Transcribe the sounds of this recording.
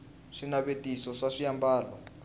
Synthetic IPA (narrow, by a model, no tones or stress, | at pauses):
ʂinaβetisɔʂaʂijambaːlɔ